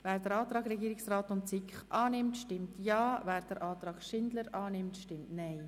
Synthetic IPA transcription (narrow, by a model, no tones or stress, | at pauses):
vɛːɾdəɾɑːt̪ɾɑːɡɾɛɡiːɾɪksraːtʊntt͡sɪkχʔɑːnɪmtʃtɪmtjɑːvɛːɾd̥əɾʔɑːt̪ɾɑːɡ̥ʃɪndləɾɑːnɪmtʃtɪmtnaɪ